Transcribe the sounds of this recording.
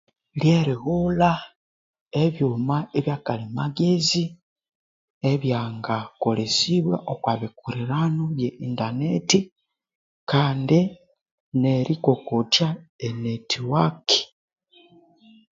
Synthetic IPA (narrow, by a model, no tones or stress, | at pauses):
ljeɾiɣula | eβjuːmaeβjaːkalimaɡezi | eβjaːŋɡakolesiβwaʔokwaβikuɾiɾanoβjeʔindaneti | kaːndi | neɾʔikokotjaenetʰiwaki̥